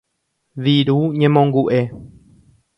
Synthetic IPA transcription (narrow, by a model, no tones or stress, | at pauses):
ʋiɾuɲẽmõŋɡuʔe̞